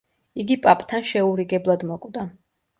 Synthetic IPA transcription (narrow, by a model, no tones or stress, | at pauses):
iɡipʼapʼt̪ʰanʃɛuɾiɡɛblˠad̪mɔkʼwvd̪a